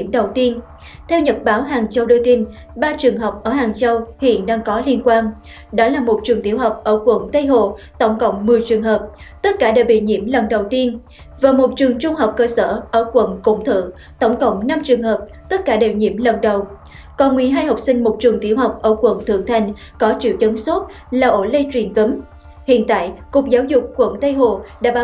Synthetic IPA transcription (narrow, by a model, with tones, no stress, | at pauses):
i˧˩əmɗə˨˩wt̪i˧ən | t̪ʰɛ˧wɲə˨˩t̚ɓaː˨˦wɦaː˨˩ŋt͡ɕə˧wɗə˧t̪i˧n | ɓaː˧t͡ɕɨ˨˩əŋɦəː˨˩wk͡p̚ʔəː˧˩ɦaː˨˩ŋt͡ɕə˧whḭ˧˨ənɗaː˧ŋkɔ˨˦li˧ənkwaː˧n | ɗɔ˨˦laː˨˩mo˨˩t̚t͡ɕɨ˨˩əŋt̪i˨˦əwɦa˨˩wk͡p̚ʔəː˧˩kwə˧˩nt̪ə˧jɦo̰˧˨ | t̪ə˧˩wŋ͡mkə̰˧˨wŋ͡mmɨ˨˩əjt͡ɕɨ˨˩əŋɦəː˨˩p̚ | t̪ə˦˥t̚kaː˧˩ɗe˧˩ɓḭ˧˨ɲḭ˧˥əmlə˨˩nɗə˨˩wt̪i˧ən | vaː˨˩mo˨˩t̚t͡ɕɨ˨˩əŋt͡ɕʊ˧ŋ͡mɦə˨˩wk͡p̚kəː˧səː˧˩ʔəː˧˩kwə̰˧˩nkʊ̰˧˩ŋ͡mt̪ʰɨ̰˧˨əŋ | t̪ə˧˩wŋ͡mkə̰˧˨wŋ͡mna˧mt͡ɕɨ˨˩əŋɦəː˨˩p̚ | t̪ə˦˥t̚kaː˧˩ɗe˨˩wɲḭ˧˥əmlə˨˩nɗə˨˩w | kɔ˨˩nŋwi˨˩ɦaː˧jhə˨˩wk͡p̚sï˧ŋ̟mo˨˩t̚t͡ɕɨ˨˩əŋt̪i˧˩əwɦa˨˩wk͡p̚ʔəː˧˩kwə̰˧˩nt̪ʰɨ̰˧˩əŋt̪ʰa˨˩jŋ̟ | kɔ˨˦t͡ɕḭ˧˨əwt͡ɕə˨˦nso˦˥t̚ | laː˨˩ʔo˧˩lə˧jt͡ɕwi˨˩ənk̪ə˨˦m | hḭ˧˨ənt̪a̰ː˧˨jkʊ˨˩k͡p̚zaː˨˦wzʊ˨˩k͡p̚kwə̰˧˩nt̪ə˧jɦo˧˨˩ɗa̰ː˧˥ɓa˨˧